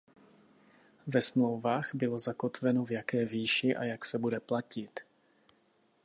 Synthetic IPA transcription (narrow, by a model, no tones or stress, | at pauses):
vɛsmlo̞wvaːxbɪlo̞zako̞t̪vɛno̞vjakɛːviːʃɪʔa̰jaksɛbudɛplacɪt̪